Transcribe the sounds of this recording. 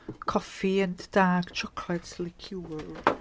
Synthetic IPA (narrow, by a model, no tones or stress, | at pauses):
kʰɔfiə̃nd̥aːkt͡ʃʰʌkʰlɛtslɪkʰjuːəɹ